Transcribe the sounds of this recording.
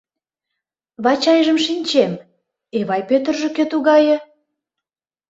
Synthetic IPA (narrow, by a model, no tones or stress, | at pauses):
βɑt͡ɕɑjʒə̆mʃinʲt͡ɕem | eβɑjpøt̪ə̆rʒĕket̪uɣɑjɤ̆